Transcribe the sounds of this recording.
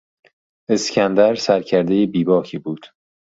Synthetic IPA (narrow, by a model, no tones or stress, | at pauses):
e̞scʰænd̪æɾsæɾcʰæɾd̪ejebiːbɒːkʰiːbuːd̪̥